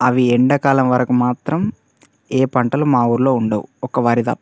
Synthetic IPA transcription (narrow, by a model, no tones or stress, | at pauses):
ɐʋiɛɳɖɐkaːlɐmʋɐɾɐkumaːt̪ɾɐm | eːpɐɳʈɐlumaːuɾlo̞ːuɳɖɐwṵɔkɐʋaːɾid̪ɐ̰